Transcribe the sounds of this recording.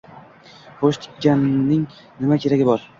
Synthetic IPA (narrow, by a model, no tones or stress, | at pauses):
χoʃt̪ʰɪ̥ɡʲanːɪŋ | nɪmakʲʰe̞ɾaɡʲɪbɒɾ